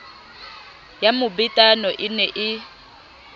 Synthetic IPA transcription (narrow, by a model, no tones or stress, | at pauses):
jamʊbɪtʼanɔʔɪnɛʔɪ